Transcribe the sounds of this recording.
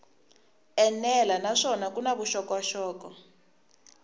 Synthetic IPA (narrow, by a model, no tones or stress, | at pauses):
ɛnɛlanaʂɔnakunaβuʃɔkɔwaʃɔːkɔ